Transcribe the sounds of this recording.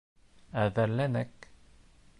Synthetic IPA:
æðæɾlænækː

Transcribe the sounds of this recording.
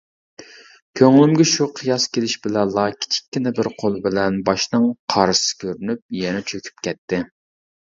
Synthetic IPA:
kʲʰøŋlymɡʲɛʃuqʰɨjɑskʲelɪʃbɪlɛnlːˠɑkʲʰi̥t͡ʃʰi̥kʲːinɪbɪɾqʰolˠbɪlɛnbɑʃnɨŋqʰɑɾɨsɨ̥kʲʰøɾynyp̚jɛnɛt͡ʃʰøkʲʰy̥p̚kʲɛt̪ʰːɪ

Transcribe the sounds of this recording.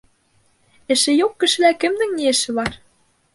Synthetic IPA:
ɘ̆ʃɘ̆jokːɘ̆ʃɘ̆lækɘ̆md̪ɘ̆ŋnʲiĕʃɘ̆βɑr

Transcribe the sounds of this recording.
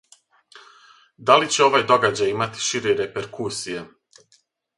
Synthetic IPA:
d̪alit͡ɕe̞o̞ʋajd̪o̞ɡad͡ʑajimat̪i̥ʃiɾeɾe̞pe̞ɾkʰusije̞

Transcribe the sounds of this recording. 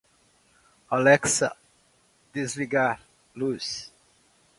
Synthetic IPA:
alɛksɐ̰ | d̪̥ezliɡaɾ | lus

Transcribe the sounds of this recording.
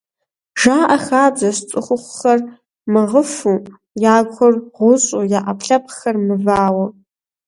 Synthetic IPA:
ʒaːʔɐxaːd͡zɐst͡sʼɨχʷʊχʷxɐr | mɨʁəfu | jaːɡʷʰʊrʁʷʊɕʼujaʔɐpʰɬɐpʰxɐrmɨvaːwɐ

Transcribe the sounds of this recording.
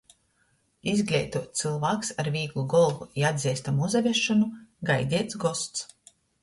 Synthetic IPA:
izɡlʲɛ̰jt̪uɔt̪̚t̪sɨlˠvaːksaɾvʲiːɡlˠuɡɔlˠvuiad̪ʲziɛst̪amuzavʲiɛʃːɔnuɡajd̪ʲiɛt̪sɡɔst̪s

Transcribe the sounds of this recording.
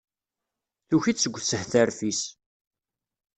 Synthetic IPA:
θuçisːəɡʷːθsəhθæɾfis

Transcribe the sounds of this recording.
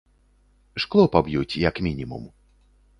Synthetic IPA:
ʂklˠɔpabjut͡sʲjɐkmʲinʲimṵm

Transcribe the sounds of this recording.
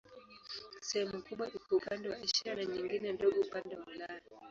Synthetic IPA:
sɛhɛmukuɓwaʔikɔupandɛwaʔiʃiɾanaɲiŋɡinɛndɔɠɔupandɛwaulaɔ

